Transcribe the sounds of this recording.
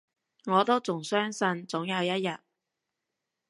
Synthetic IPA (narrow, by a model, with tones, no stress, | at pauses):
ŋɔː˨˧t̪o˥wt͡sʊ˨˩ŋsœː˥ŋsɐ˧nt͡sʊ˨˥ŋjɐ˨˧wjɐ˥t̚jɐ˨t̚